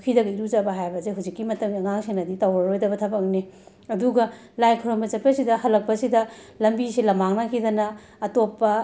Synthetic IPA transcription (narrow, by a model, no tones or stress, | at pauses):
kʰidɐɡɐiɾut͡ʃɐbɐɦajbɐzeɦuzikːimɐtɐŋɐŋaŋsenɐditɐwɾɐɾojdɐbɐtʰɐbɐkni | ɐduɡɐ | lajkʰoɾombɐt͡ʃɐpːɐsidɐhɐlːɐk̚pɐsidɐ | lɐmbisilɐmaŋnɐkʰidɐnɐː | topːɐ